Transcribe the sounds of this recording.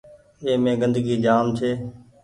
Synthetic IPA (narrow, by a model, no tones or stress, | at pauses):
eːmẽːɡənd̪əɡiːd͡ʒaːmt͡ʃʰeː